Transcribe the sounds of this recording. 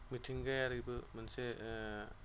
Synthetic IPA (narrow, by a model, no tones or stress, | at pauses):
mitʰiŋɡajaɾibɯmanse